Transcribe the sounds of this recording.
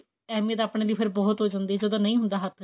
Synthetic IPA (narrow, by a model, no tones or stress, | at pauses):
ɛːmiːət̪aːpɽ̃eːliːpʰɪɾbɔːt̪ɦoːd͡ʒãːnd̪iːd͡ʒəd̪õːnəĩːɦʊ̃nd̪aːɦət̪ʰ